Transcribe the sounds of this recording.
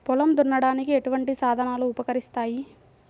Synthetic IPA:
pɔlɐmd̪uɳːɐɽaːnikie̞ʈuʋɐɳʈisaːd̪ʱɐnaːluːpɐkɐɾist̪aːji

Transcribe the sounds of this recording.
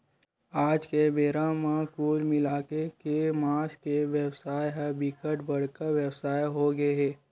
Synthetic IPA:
aːd͡ʒkebeːɾamãkuːlmɪlaːkekemaːskeʋəwsaːjɦɛbɪkəʈbəɽ̤kaʋjəwsaːjɦoɡeɦɛː

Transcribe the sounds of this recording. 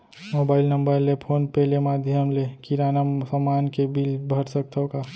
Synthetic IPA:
moːbaːɪlnɐ̃mbəɾlepʰoːnpɛːlemaːd̪ʱjəmlekiɾaːnəmsəmːaːnkebilbʱɐɾsək̚t̪ʰoka

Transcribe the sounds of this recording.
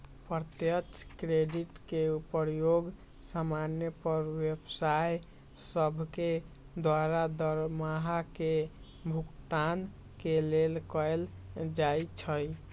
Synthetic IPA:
pɾt̪jət͡ʃʰkɾeɖiʈkeupəɾjoɡ | samanjəpəɾwebsaj | səbʱke | d̪waɾad̪əɾmaɦake | bʱukt̪an | kelelkəl | d͡ʒajt͡ʃʰəj

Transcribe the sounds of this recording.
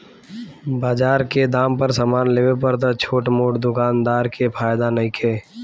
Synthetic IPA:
baːd͡ʒaːɾked̪aːmpəɾsaːmaːnleːʋepəɾt̪ət͡ʃʰoːʈmoːʈd̪ʊkaːnd̪aːɾkepʰaːjd̪anəikʰeː

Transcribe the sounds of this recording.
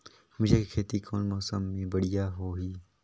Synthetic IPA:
mʊd͡ʒʱekekʰeːt̪ikʰoːnmɔːsəmːẽbəɽɪjaːɦoːɦiː

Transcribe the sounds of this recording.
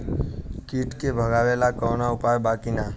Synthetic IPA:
kiːʈkebʱəɡaːʋelakɔːnaʊpaːjbaːkina

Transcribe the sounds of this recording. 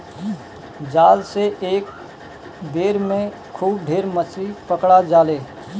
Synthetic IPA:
d͡ʒaːlseʔeːk | beːɾmẽ | kʰuːb̚ɖʱeːɾməsɾipəkɽad͡ʒaːleː

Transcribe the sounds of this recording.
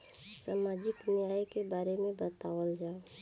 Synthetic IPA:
saːmaːd͡ʒɪknɪjaːjkebaːɾemẽbət̪aːwəld͡ʒaː

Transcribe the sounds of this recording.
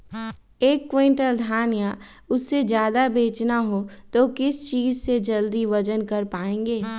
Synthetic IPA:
eːkːwẽːɳʈəld̪ʱaːnja | ʊsːed͡ʒjaːd̪abeːt͡ʃnaɦot̪oːkɪst͡ʃiːzsed͡ʒɐld̪iʋɐd͡ʒənkɐɾpaːẽːŋɡeː

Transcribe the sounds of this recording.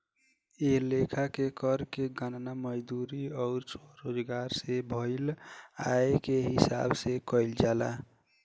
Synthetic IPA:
elekʰakekəɾkeɡannaməd͡ʒd̪uɾiɔʊɾt͡ʃʰoɾod͡ʒɡaɾsebʱɔɪlaekeɦɪsa̰bsekɔɪld͡ʒala̰

